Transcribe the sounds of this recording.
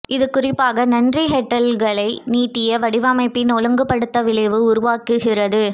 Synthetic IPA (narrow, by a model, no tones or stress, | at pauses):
ʔɪðɯkːʊrɪpːaːɣɐnɐndriɦɛʈːɐlɣɐɭɐɪniːt̪ːɪjɐʋɐɽɪʋɐmɐɪpːinɔlɯŋɡɯpːɐɽɯt̪ːɐʋɪɭɐʋɯʊɾʊʋaːkɯɣɪrɐðɯ